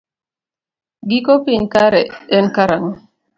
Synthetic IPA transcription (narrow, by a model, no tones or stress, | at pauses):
ɡikopiɲkaɾɛɛnkaɾaŋ